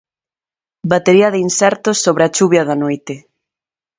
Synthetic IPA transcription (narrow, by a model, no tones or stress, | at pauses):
bat̪eɾiɐðinsɛɾt̪osːoβɾeɐt͡ʃuβjɐðɐnojt̪ɪ